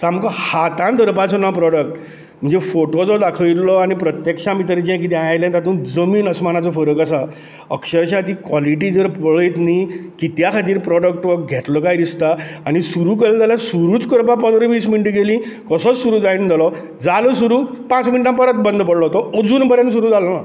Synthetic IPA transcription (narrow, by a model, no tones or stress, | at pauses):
samkɔhat̪ãnd̪ʱəɾpat͡sɔnapɾɔɽək̚ʈ | m̤ənd͡zefoʈod͡zɔd̪akʰəilɔañipɾət̪jekʂãmit̪əɾid͡ʑɛ̃k̬it̪jajajlẽt̪at̪ũːnd͡zəmiːnəsmanat͡sɔfəɾəkasa | əkɕəɾɕat̪̬ikʋɔliʈ̬id͡zəɾpəɭəjt̪nikit̪jakʰat̪̬iːɾpɾɔɖək̚ʈʋək̚ɡʱet̪lɔkajd̪ist̪aañisuɾuːkəlld̪alasuɾuːt͡skəɾpap̬ənd̪ɾɔʋiːsminiʈiɡelĩkəsɔt͡ssuɾuːd͡zaind̪ʱelɔ | d͡zalɔsuɾuːpãt͡sminiʈãmpəɾət̪̚bənd̪ʱpəɽlɔɦot̪ɔəd͡zuːnpəɾə̃ns̬uɾuːd͡zalɔna